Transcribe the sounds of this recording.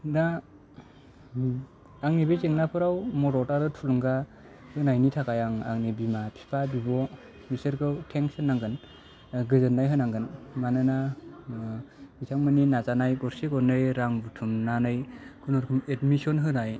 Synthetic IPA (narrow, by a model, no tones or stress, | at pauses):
na | aŋnibezeŋnapʰɯɾawmɔɾɔtaɾɯtʰuluŋɡa | hɯnajnitʰakajaŋa̰ŋnibimapʰi̥pʰabibɔ | misɯɾkʰɯwtʰeŋsɯnːaŋɡɯn | ɡɯzɯnːajɦɯnaŋɡɯnmanɯna | itʰaŋmɯninazanajɡɔɾsekɔnɯjɾaŋbutʰumnanɯjkʰunɔɾkʰɯmetmisɔnɦɯnaj